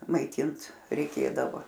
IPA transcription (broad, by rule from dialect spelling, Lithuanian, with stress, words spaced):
mɐɪˈtʲɪnt rʲɛɪˈkʲeːdɐʋoː